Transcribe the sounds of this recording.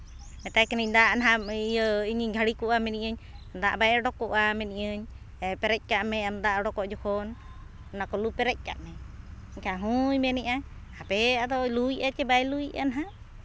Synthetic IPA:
mɛt̪ajkɛniɲd̪aʔnaɦaijəiɲiɡʱaɽikuʔamɛniʔəɲd̪aʔbajɽɔkɔʔamɛniʔəɲ | ɛpɛɾɛc̚ˀkaʔmɛamd̪aʔɽɔkɔʔd͡ʒɔkɔn | nakɔlupɛɾɛc̚ˀka̰ʔmɛ | kaɦujmɛnɛʔa | hapɛad̪ɔlujʔat͡ʃɛbajlujʔa̰naɦaʔ

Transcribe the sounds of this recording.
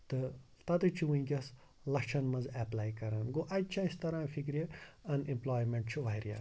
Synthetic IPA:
t̪ɨ | t̪ɐt̪ɨt͡ʃʰuʋũĩɡʲɐs | lɐkt͡ʃʰɐnmɐzɛplaːjkɐɾɐnɡoːʔɐt͡ʃʰaist̪ɐɾãːfʰikɾʲjeɐnĩmploːjmeɳʈt͡ʃʰuʋaɾja̰ː

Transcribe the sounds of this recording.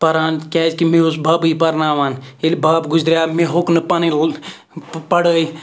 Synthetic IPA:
pɐɾaːnkʲaːskimẽusbaːbiipɐɾnaːʋaːnelibaːpɡʊd͡ʒd̪ɾʲjaːmeɦʊknɨpani | pɐɽəi

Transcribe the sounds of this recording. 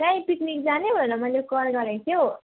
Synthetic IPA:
kaĩpiknik̚d͡zanebʱʌnʌmʌjlekʌrɡʌɾẽt̪ʰjo

